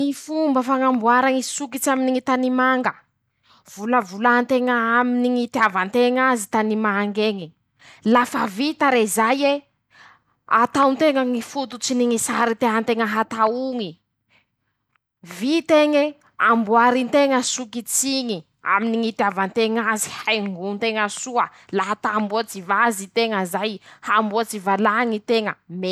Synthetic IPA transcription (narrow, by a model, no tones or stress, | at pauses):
ifumbəfaŋambuaɾaŋisukit͡saminiŋit̪animaŋɡə | v̥uləvulaant̪eŋaaminiŋit̪iavant̪eŋazit̪animaŋɡeŋi | lafavit̪aɾezaje | a̰t̪awnt̪eŋəŋifut̪ut͡siniŋisaɾit̪eant̪eŋəɦat̪auŋi | vit̪eŋe | ambuaɾint̪eŋəsukit͡siŋi | a̰miniŋit̪iavant̪eŋazi̥hajŋunt̪eŋəsuə | laɦat̪ambuat͡sivazit̪eŋəzajhambuat͡sivalaŋit̪eŋəme